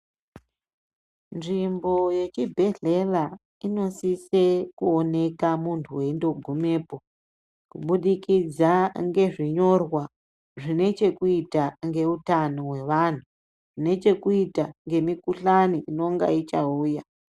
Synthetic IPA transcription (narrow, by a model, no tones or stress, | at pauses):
nʐimbo̞je̞t͡ʃibʱe̞ɮe̞la | ino̞sise̞kuone̞kamuntʰuwe̞indo̞ɡʱume̞ːpo̞ | kuɓuɗikid͡zaŋɡe̞ʐiɲo̞rwa | ʐine̞t͡ʃe̞kuitaŋɡe̞utanoɦwe̞ʋan̤u | ʐine̞t͡ʃe̞kuitaŋɡe̞mikuɬaniʔino̞ŋɡa̰it͡ʃauːja